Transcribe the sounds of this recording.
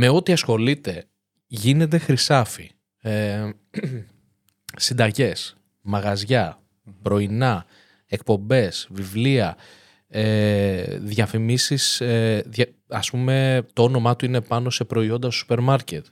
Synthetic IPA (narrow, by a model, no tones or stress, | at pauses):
me̞o̞t̪iɐsxo̞lit̪e̞ | ʝine̞t̪̬e̞xɾisɐfi | e | sind̪ɐʝe̞s | mɐɣɐzʝɐ | pɾo̞inɐ | e̞k̚po̞mbe̞svivliɐ | e | ðʝɐfimisiseðjɐ | ɐspume̞t̪oo̞no̞mɐt̪uine̞pɐno̞se̞pɾo̞io̞nd̪ɐssu̥pe̞ɾmɐɾce̞t̪